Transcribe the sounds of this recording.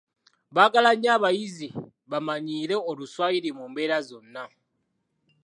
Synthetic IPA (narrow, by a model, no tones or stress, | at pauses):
βakalaɲaβajizi | βamaɲiːɾe̞oluswajiɾimuːmbeɾazonːa